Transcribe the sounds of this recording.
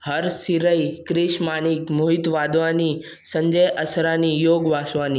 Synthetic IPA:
həɾsiɾəjkɾɪʃmanikmuɦit̪ʋad̪ʋani | sə̃ɲd͡ʒəjʔəsɾanijoɡʋasʋani

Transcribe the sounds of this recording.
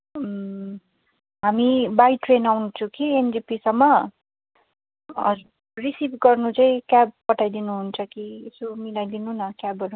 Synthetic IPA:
ɦamibajʈrenawnut͡sʰʌkiend͡zipisʌmːʌ | ʌ̰d͡z | risibɡʌrnut͡saĩkjab̚pʌʈʰajd̪inuɦunt͡sʰʌkiesomilajd̪inunʌkjabʌɾu

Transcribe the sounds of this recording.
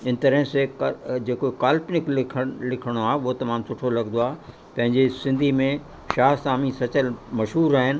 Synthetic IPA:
ɪnɪ̆t̪ɐɾəɦsekd͡ʑeːkokaːlpnɪklɪkʰəlɪkʰəɽ̃oaːɦeʊɦot̪ɐmaːmsʊʈʰolɐɡnd̪oaːɦe | pɐ̃ɦɪ̃ɲd͡ʑesɪ̃nd̪ʱimẽ | ʃaːsaːmisɐt͡ɕəlmɐʃɦuːɾaːɦɪnɪ̆

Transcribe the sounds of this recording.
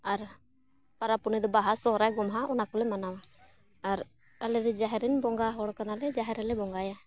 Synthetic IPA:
aɾ | paɾapunid̪ɔbaɦasɔɦɾajɡɔmɦaʔɔnakɔlɛmanawa | aɾ | alɛd̪ɛd͡ʒaɦɛɾɛnbɔŋɡaɦɔɽkanalɛd͡ʒaɦɛɾɛlɛbɔŋɡaja

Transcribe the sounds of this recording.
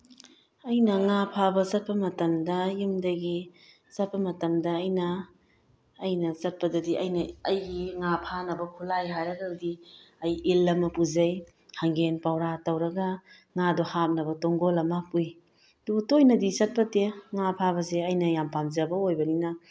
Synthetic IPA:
ɐjnɐŋapʰabɐzɐt̚pɐmɐtɐmdɐjumdɐɡi | zɐt̚pɐmɐtɐmdɐːjnɐː | jnɐsɐt̚pɐdɐdiʔɐjnɐɐjɡiŋapʰanɐbɐkʰulajɦajɾɐɡadi | ɐjilːɐmɐpuzɐj | hɐŋɡenpawɾatɐwɾɐɡɐ | ŋadɔhap̚nɐbɐtɔŋɡolɐmapuj | dubtojnɐdisɐt̚pɐteŋapʰabɐseɐjnɐjampamzɐbɐojbɐninɐ

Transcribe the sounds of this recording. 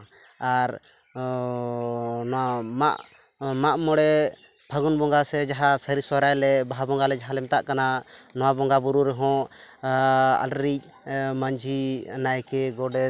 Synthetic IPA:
aɾ | nama̰ʔ | maʔmɔɽɛ | bʱaɡunbɔŋɡasɛd͡ʒaɦasəɾiswaɾajlɛbaɦabɔŋɡalɛd͡ʒaɦalɛmt̪aʔkananɔwabɔŋɡabuɾuɾɛɦɔ̃ | a̰lɾic̚ | maɲd͡ʒinajkɛɡɔɖɛ

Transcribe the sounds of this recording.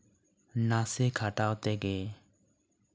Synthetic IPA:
nasekʰaʈawt̪ɛɡe

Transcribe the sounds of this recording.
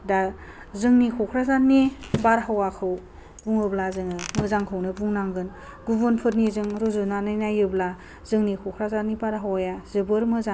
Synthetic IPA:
da | zɯŋnikʰɔkʰɾazanːibaɾɦawakʰɯw | b̥uŋɯblazɯŋɯmɯzaŋkʰɯwnɯbuŋnaŋɡɯn | ɡubɯnpʰɯɾnizɯŋɾuzunanajnajɯbla | zɯŋnikʰɔkʰɾazanːibaɾɦawajazɯbɯɾmɯza

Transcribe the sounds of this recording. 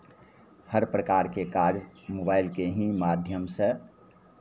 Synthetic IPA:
həɾpɾəkaːɾkekaːɾmoːbaːɪlkeɦĩmaːd̪ʱjəmse

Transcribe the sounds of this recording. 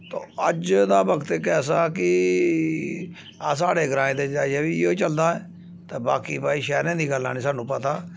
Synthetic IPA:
t̪oːəd͡ʒd̪aːbəkt̪ekɛːs̬aːkɪ | aːs̬aːɽeːɡɾãːẽːd̪eːd͡ʒaːieːbiːoːt͡ʃəld̪aːɛː | t̪aːbaːkiːpaːiːʃɛːɾẽːd̪iːɡəlːa̰ːñiːsaːnũːpət̪aː

